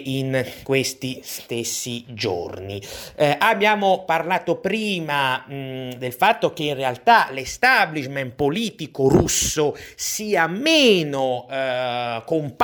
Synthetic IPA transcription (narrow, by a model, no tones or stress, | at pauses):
inkwest̪ist̪esːid͡ʒo̰rniʔabːjaːmoparlaːt̪opɾiːma | d̪elfat̪ːok̟einrealt̪alest̪abliʃmɛn̚poliːt̪ikoɾusːosiːamːeːno | komp